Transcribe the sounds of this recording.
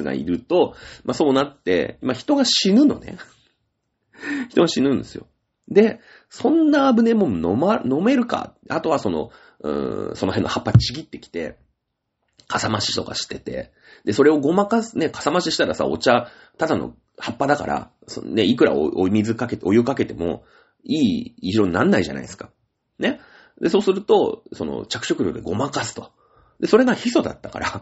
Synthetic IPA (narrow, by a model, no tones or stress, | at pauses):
ɨɡa̰ḭɾɯ̟t̪o̞maso̞ːnat̪ːe̞̰imaçi̥t̪o̞ɡaɕinɯ̟no̞nḛ | çi̥t̪o̞ɡaɕinɯ̟̃nd̪e̞sɨjo̞̰ | d̪e̞ | sõ̞nːaːbɯ̟ne̞monomano̞me̞ɾɯ̟ka̰at̪o̞βaso̞no̞̰ | ɯ̰̃so̞no̞ɦẽ̞nːohapːat͡ɕiɡʲit̪ːe̞kʲi̥t̪e̞̰ | kʰasamaɕi̥t̪o̞ka̰ɕi̥t̪e̞t̪e̞̰ | d̪̥e̞so̞ɾe̞o̞ɡo̞makasɨne̞kḁsamaɕiɕi̥t̪aɾasa̰o̞̰t͡ɕa | t̪ad̪ano̞̰ | hapːad̪aka̰ɾʔa̰ | so̰ne̞ikɯ̟ɾa̰oomʲizɨkake̞t̪o̞jɯ̟kake̞t̪e̞mo̞̰ | iːʑiɾõ̞nnːãnːaiʑa̰na̰isɨ̥ka | ne̞ | d̪e̞so̞ːsɨɾɯ̟t̪o̞so̞no̞̰t͡ɕakɯ̟̥ɕo̞kɯ̟ɾʲokɯ̟d̪eɡo̞makasɨ̥t̪o̞̥ | d̪e̞so̞ɾe̞ɡaçiso̞d̪a̰t̪ːaka̰ɾa